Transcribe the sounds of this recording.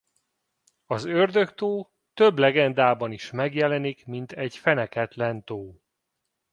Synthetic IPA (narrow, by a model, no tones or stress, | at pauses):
ɒzørd̪ø̞kt̪oː | t̪ø̞blɛɡɛnd̪aːbɒniʃmɛɡjɛlɛnikmint̪ɛɟfɛnɛkɛt̪lɛnt̪oː